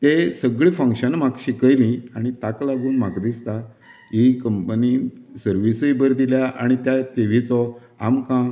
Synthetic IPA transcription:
t̪esəɡɭifə̃ŋkɕənm̤akɕikəjlĩaɽ̃it̪aklaɡuːnm̤akd̪ist̪a | ɦikəmpənisəɾʋisəjbəɾd̪iljaʔaɽ̃it̪jat̪eʋ̤it͡sɔ | amkã

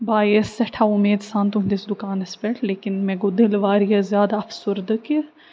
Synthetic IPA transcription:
baːjesɐʈʰaʊmeːd̪sãːnt̪uɦnd̪isd̪ʊkaːnɐspɛʈʰleːkɪnmẽɡod̪ɪlʋaːɾjɐzjaːd̪aɐfsʊɾd̪ɨki

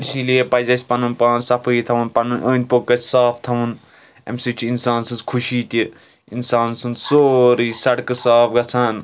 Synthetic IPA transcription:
isiliepɐzʲɐsʲpɐnunpãːnsɐpʰɨjit̪ʰɐʋunpɐnɨnʔəːnʲpokːɐt͡sʰʲsaːpt̪ʰɐʋun | ɐ̰mʲsɨt͡ʃʰinsaːnsɨnt͡skʰuʃiːt̪ʲi | insaːnsɨnt͡ssoːɾiːsɐɽkɨsaːpɡɐt͡sʰaːn

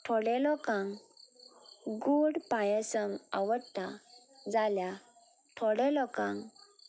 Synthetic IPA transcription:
t̪ʰɔɽɛlɔkãŋ | ɡuɽpajəsəŋa̰ʋəɽt̪a | d͡zalja | t̪ʰɔɽɛlɔkãŋ

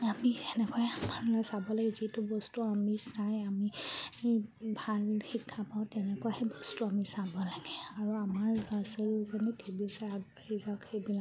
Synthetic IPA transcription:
amiɛnɛkɔɛamanlɔjsabɔlaɡɛzitʊbɔstuamisajami | bʱalxikʰːapaʊ̃tɛnɛkɔahɛbɔstuamisabɔlaɡ̥ɛaɹuamaɹasɔlukʰanɛtʰebisaadɹezakʰejbila

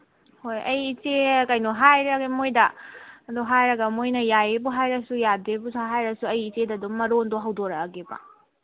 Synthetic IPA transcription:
hojɐjit͡ʃekɐjnoɦajɾɐɡimojdɐduɦajɾɐɡɐmojnɐjajebuɦajɾɐsujadebusʰaɦajɾɐsuɐjit͡ʃedɐduŋmɐɾondoɦɐwdoɾɐːɡebɐ̰

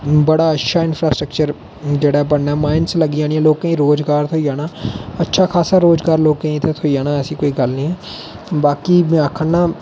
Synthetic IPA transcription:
bɐɽaɐtːʃʰaɪ̃nfʰɾaːsʈɾək̚t͡ʃəɾ | d͡ʒeːɽaɦɛbəɽnamaːɪnslɐɡijãːniɛ̃loːɡ̚kəĩɾoːd͡ʒɡaːɾt̪ʰoijaːnaːɐtːʃʰakʰaːsaɾoːd͡ʒɡaːɾloːɡ̚kə̃ĩt̪ʰet̪ʰoijaːnaɛːsikoːiɡɐlnĩɦɛː | baːkim̃aːkʰənnːa

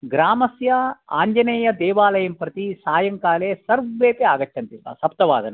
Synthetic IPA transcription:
ɡɾaːmɐsjɐa̰ːɲd͡ʒɐneːjɐd̪ɛːʋaːlɐjɐmpɾɐt̪isaːjɐŋkaːleːsɐɾʋeːpeaːɡɐʈʰːɐnt̪iɐ̰ːsɐp̚t̪ɐʋaːd̪ɐne

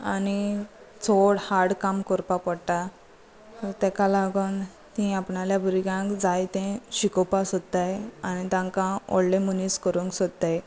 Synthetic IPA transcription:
ani | t͡sʰoɽhaɽkamkɔɾpapəɽʈa | təɾt̪ɛkalaɡən | t̪ĩapɳaljabʱuɾiɡãkd͡zajt̪ẽɕikɔpasot̪ːajanit̪ãŋkãɔ̰ɽlẽmuniskəɾũŋksod̪t̪̚t̪ːaj

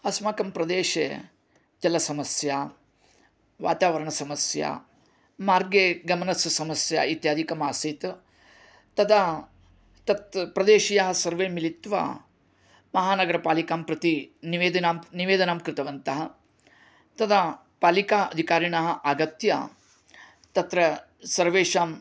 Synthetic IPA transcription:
ɐsmaːkɐmpɾɐd̪eːʃḛː | d͡ʒ̪ɐlɐsɐmɐsjaː | ʋa̰ːt̪aːʋɐɾɐɳɐsɐmɐsja̰ː | maːɾɡeːɡɐmɐnɐsɐsɐmɐsja̰ːit̪jaːd̪ʱikɐmaːsit̪ | t̪ɐd̪a | t̪ɐt̪pɾɐd̪eːʃijaːɦɐ̆sɐɾʋeːmilit̪ʋa̰ː | mɐɦaːnɐɡɐɾɐpaːlikaːmpɾɐt̪iniʋeːd̪ɐnaːmniʋeːd̪ɐnaːmkɾɪt̪ɐʋɐnt̪ɐɦɐ̆ | t̪ɐd̪aː | paːlikaːʔɐ̰d̪ʱikaːɾiɳɐɦɐ̆ʔaɡɐt̪ja̰ | t̪ɐt̪ɾɐ | sɐɾʋeːʂaːm

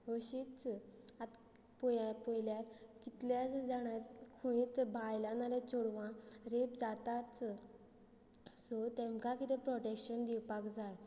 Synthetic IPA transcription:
əɕit͡sat̪ | pɔapojljakit̪ljat͡sd͡zaɽ̃akʰujit͡sbʱajlanalat͡sɔɽʋãɾepd͡zat̪at͡s | sɔt̪ɛ̃mkakit̪ẽpɾɔʈekɕənd̪iwpakd͡zaj

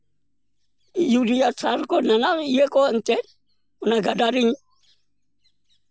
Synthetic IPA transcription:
judijat͡sʰaɾkɔnanajekɔn̩tɛ | unaɡadaɾiɲ

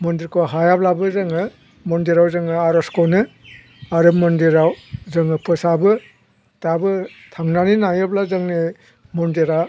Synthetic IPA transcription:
mɔndiɾkʰɔɦajablabɯzɯŋɯ | mɔndiɾawzɯŋɯaɾɔskɔnɯ | aɾɯmɔndiɾawzɯŋɯpʰɯsabɯ | tabɯtʰaŋnaninajɯblazɯŋni | mɔndiɾa

